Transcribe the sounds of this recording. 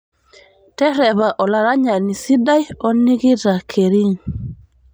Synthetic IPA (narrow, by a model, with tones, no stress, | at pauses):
tɛ˦ɾɛ˨βa˨ʔɔ˨la˨ɾa˦ɲa˨ni˨si˦da˦jɔ˦ni˦ɣi˦ɾa˨kʰe˨ɾi˦ŋ